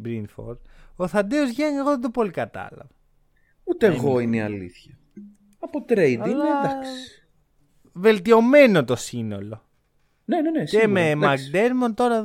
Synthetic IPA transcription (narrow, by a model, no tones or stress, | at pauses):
bɾinfo̰ɾoθɐnd̪eozʝɐŋeɣo̞ðɐd̪o̞po̞likɐt̪ɐ̰lɐ̰vo | ut̪eːɣo̞ineiɐ̰lḭθçɐ | ɐpot̪ɾejd̪id̪ksi̥ | ve̞lt̪io̞me̞no̞t̪o̞sino̞lo̞ | nenenesememɐkd̪eɾmont̪o̞ɾɐ